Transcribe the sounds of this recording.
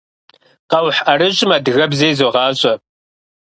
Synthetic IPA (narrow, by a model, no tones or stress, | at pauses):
qɐwħɐɾɨʑʼɪmaːdɣɐbzeːzoʁɑːɕʼɐ